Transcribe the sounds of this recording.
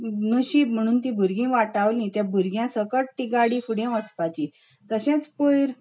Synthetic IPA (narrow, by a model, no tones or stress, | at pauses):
nəɕiːm̤əɽ̃uːnt̪ĩbʱuɾɡĩʋaʈaʋlĩt̪jãbʱuɾɡjãsəkəʈʈiɡaɽĩfuɽjẽʋəspat͡ɕi | t̪əɕɛ̃t͡spujɾ